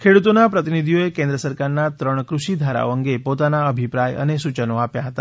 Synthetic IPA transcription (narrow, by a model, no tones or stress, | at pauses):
kʰeɽut̪onapɾət̪inid̪ʱijoekẽnd̪ɾəsəɾkaɾnat̪ɾəɳ̃kɾuʃid̪ʱaɾa̰oəŋɡepot̪anaəbʱipɾajə̰nesut͡ʃənoapjaɦət̪a̰